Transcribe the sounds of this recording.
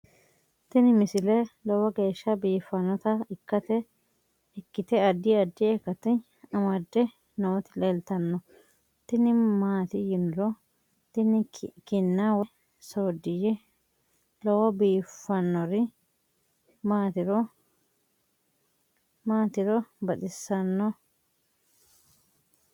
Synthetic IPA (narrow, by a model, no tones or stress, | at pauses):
t̪ɪnɪmɪsɪlɛlɔwɐɡe̞ːʃːɐbiːfːɐnːɔt̪ɐɪkːɐt̪ɛ | ɛkːɪt̪ɛɐd̪ːɪɐd̪ːɪɛkːɐt̪ɪ | ɐmɐd̪ːɛ | nɐɔt̪ɪlɛlt̪ɐnːɔ | t̪ɪnɪmaːt̪ɪjɪnɪɾɔ | t̪ɪnɪkɪnːawɛ | soːd̪ːɪjɛ | lɔwɐbiːfːɐnːɔɾɪ | maːt̪ɪɾɔ | maːt̪ɪɾɔbɐɗɪsːɐnːɔ